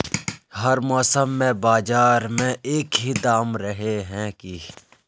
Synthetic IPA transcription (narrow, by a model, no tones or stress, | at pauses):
hɐɾmɔːsəmːẽbaːd͡ʒaːɾmẽʔeːkɦid̪aːmɾəɦeɦɛ̃ki